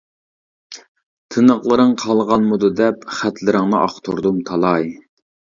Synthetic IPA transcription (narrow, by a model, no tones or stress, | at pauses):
t̪ʰɨnəqlˠəɾɨŋqʰɑlˠʁɑnmud̪ud̪ɛpχæt̪lɪɾɪŋnɨʔɑ̰χt̪ʰṵɾd̪umt̪ʰɑlˠɑj